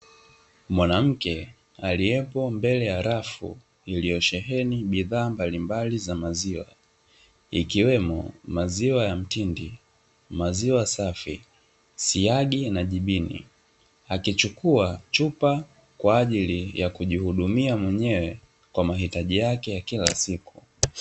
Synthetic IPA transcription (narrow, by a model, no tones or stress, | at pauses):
mwanam̩kɛ | aliɛpɔmbɛlɛjaɾafṵ | ilijɔʃɛɦɛniɓiðaːmbalimbalizamaziwa̰ | ikiwɛmɔ̰maziwajam̩tindi | maziwasafḭ | siaɠinaʄiɓinḭ | akit͡ʃukuat͡ʃupa | kwaːʄilijakuʄihuɗumiamwɛɲɛwɛ | kwamaɦitaʄijakɛjakila̰siku̥